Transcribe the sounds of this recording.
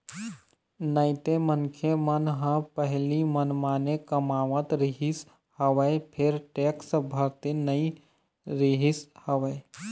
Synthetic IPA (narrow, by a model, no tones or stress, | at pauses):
nəɪt̪emənkʰjemənɦə̃pəɦlimənmaːnekəmaːʋət̪ɾɪɦɪs | həʋəepʰɪɾʈeːksbʱəɾt̪inəĩ | ɾɪɦɪshəʋəe